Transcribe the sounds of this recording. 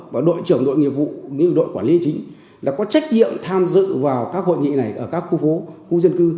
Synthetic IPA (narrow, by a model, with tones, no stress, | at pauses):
vaː˨˩ɗo̰˧˨jt͡ɕɨ˧˩əŋɗo̰˧˨jŋi˨˩əp̚vṵ˧˨ɲɨ˧ɗo̰˧˨jkwaː˧˩nli˧ənt͡ɕï˨˦ŋ̟ | laː˨˩kɔ˨˦t͡ɕa˦˥jk̟̚ɲḭ˧˨əmt̪ʰaː˧mzɨ̰˧˨vaː˨˩wkaː˦˥k̚ho̰˧˨jŋḭ˧˨na˨˩jʔəː˧˩kaː˦˥k̚xu˧fo˨˦xu˧˦zə˧nkɨ˧